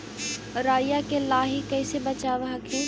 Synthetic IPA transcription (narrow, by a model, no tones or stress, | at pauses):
ɾaːjakelaːɦikɛːsebɐt͡ʃaːʋaɦɐkʰɛː